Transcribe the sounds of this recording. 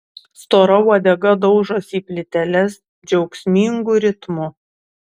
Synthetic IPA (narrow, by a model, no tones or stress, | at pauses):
st̪oːɾɐɔd̪ʲɛɡɐd̪ɒʊʒɐsiːpʲlʲɪt̪ʲɛlʲɛs | d͡ʒʲɛʊksʲmʲiŋɡʊɾʲɪt̪mʊ